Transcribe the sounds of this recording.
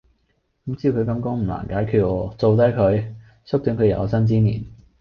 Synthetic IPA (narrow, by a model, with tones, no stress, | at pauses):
kɐ˨˥mt͡siː˥wkʰɵ˨˧ɥkɐ˧mkɔː˥ŋm̩˨˩la̰ː˨˩nkaː˨˥jkʰyː˧t̚ŋɔː˨˧˥t͡so˨wt̪ɐ˨˥kʰɵ˨˧ɥ | sʊ˥k̚t̪yː˨˥nkʰjɐ̰˨˧wsɐ˥nt͡siː˥nḭː˨˩n